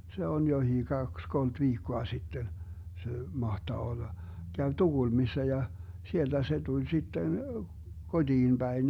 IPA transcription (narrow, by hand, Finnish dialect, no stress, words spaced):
se on johiː kɑks kolt ʋiːkːoɑ sitːen se mɑhtɑː olːɑ kæʋ tuɡ̊ulmisːɑ jɑ sield̥æ se d̥ulʲ sitːen kodiːn b̥æin